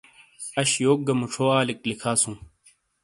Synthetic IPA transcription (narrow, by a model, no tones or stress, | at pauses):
ɐɕjoːk̚ɡɐmuʈ͡ʂʰoːaːliklikʰaːsũː